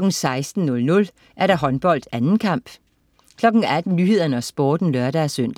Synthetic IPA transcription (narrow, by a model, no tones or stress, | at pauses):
ɒɡ̥n̩sɑ̈ɪsd̥n̩nɔ̽lnɔ̽l | ʔæɐɾɑ̈ɦɒ̽nb̥ɒ̽l̰d̥ænn̩kʰɑ̈m̰b̥ | kʰlɒ̽ɡ̥n̩æd̥n̩nyːhe̝ð̰ˠɐnəɒsb̥ɔːd̥n̩lɶɐɾæsøn̰d̥